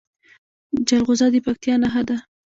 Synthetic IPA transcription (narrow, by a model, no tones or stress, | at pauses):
d͡ʒalɣʊzɑd̪əpak̚t̪ijɑnaɦad̪a